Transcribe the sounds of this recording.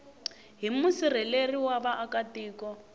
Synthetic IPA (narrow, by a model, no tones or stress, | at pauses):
ɦimusir̤ɛleriwaβaʔakatiːkɔ